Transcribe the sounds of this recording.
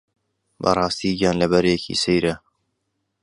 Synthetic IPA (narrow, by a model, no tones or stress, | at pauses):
bɐ̰rˤɑːst̪iːjɑːnlɐbɛɾjɛkʰḭːsejɾɐ